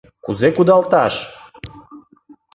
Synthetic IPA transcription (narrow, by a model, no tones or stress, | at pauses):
kuzekud̪ɑlt̪ɑʃ